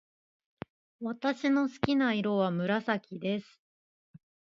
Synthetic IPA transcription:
βat̪aɕino̞sɨ̥kʲinaiɾo̞βamɯ̟ɾasakʲid̪e̞sɨ̥

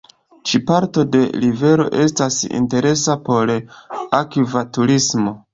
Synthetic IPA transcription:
t͡ʃipaɾto̞de̞ɾive̞ɾo̞̰ʔe̞stasḭnte̞ɾe̞sapo̞ɾakivatuɾismo̞

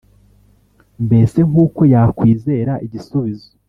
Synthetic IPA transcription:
mbe̞se̞ŋuːko̞jaːkwiːze̞ɾaʔiɟisuβizo̥

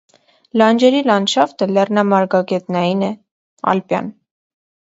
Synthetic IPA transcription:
lɑnd͡ʒɛɾilɑnʃɑft̪əlɛrnɑmɑɾɡɑɡɛt̪nɑjinɛ | ɑ̰lpjɑ̰n

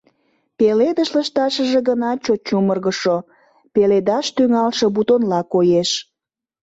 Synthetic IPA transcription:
peled̪əʃləʃt̪ɑʃəʒeɡənɑt͡ɕot̪̚t͡ɕumərɣəʃo | peled̪ɑʃt̪yŋɑlʃɤ̆but̪onlɑkojeʃ

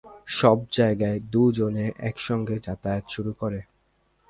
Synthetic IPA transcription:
ʃɔb̚d͡ʑaeɡaed̪ud͡ʑoneʔɛ̰kʃɔŋɡed͡ʑat̪ajt̪ʃuɾukoɾe

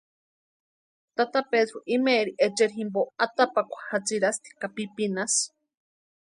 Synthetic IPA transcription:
t̪at̪apeðɾoʔimeːɾiʔet͡ʃeɾɦimboat̪apakʷḁhat͡siɾast̪i̥kapipinas

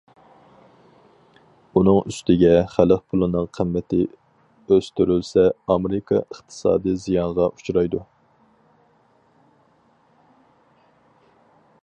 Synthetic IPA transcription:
unɨŋyst̪ɪɡʲɛχæləqpʰʊlˠɨnɨŋqʰəmːɛt̪ɪ | øst̪ʰyɾylsɛɑmeɾɪkʰɑ̰əχt̪ʰɨ̥sɑ̰ːd̪ɨjzijɑnʁɑʔut͡ʃʰɾɑjd̪u

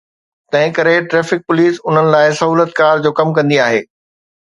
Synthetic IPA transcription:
t̪ɐ̃ɦɪ̃kɐɾeʈɾɛːfɪk̚pʊliːsʊn̤ənɪ̆laːɪsɐɦuːlət̪̚kaːɾd͡ʑoːkɐmkɐ̃nd̪iaːɦeː

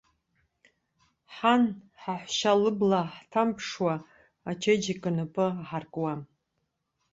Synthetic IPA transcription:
ħan | ħaħʷʃalɨblaħtʰampʰʂwaː | t͡ʃʰed͡ʒikʼɨnɨpʼɨaħarkʼwam

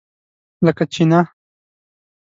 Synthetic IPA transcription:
ləkat͡ʃina

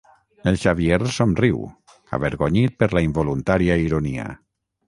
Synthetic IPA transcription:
elˠʃaβieɾsomriw | a̰βeɾɣoɲit̪̚pəɾlaimbolunt̪aɾiaiɾonia̰

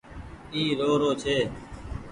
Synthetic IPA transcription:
iːɾoːɾoːt͡ʃʰeː

